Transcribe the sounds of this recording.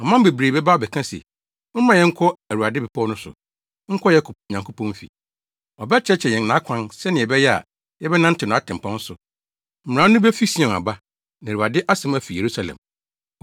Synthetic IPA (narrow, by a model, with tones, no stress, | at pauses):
ɔ˨mã˦m˦be˨bɾeː˨bɛ˦ba˦ɔ˨bɛ˨kʰã˦sɛ̰˨ | mʊ̃˦mã˨jɛ̃˦ŋ̩˦kʰɔ˦æ˨ɾu˨a˨dɪ˦bɛ˨pʰɔ˦nʊ̃˦sʊ̰˨ | ŋ̩˦kʰɔ˦jɛ˦kʰɲã˨ŋkʰo˦pʰɔ̃˦m˦fḭ˨ | ɔ˨bɛ˦t͡ɕʰɛ˦t͡ɕʰɛ˨jɛ̃˨n˦nã˨˦kʷʰã˦nsɛ˦nɪ̃˨ɛ˨bɛ˦jɛ˦a̰˨ | jɛ˦bɛ˦nã˦n̩˦tʰɪ˨nʊ̃˨a˦tʰɪ̃˨m̩˨pʰã˦n˦sʊ˨ | m̩˨m̩˨ã˨˦nʊ̃˦bɛ˦fi˦sĩ˦˨ɛ̃˨n˨a̰˨ba˦ | nã˨ɾu˨a˨dɪ˦ʔa˦sɪ̃˦mæ˦fi˨je˨ɾu˦sa˨lɛ̰̃˨m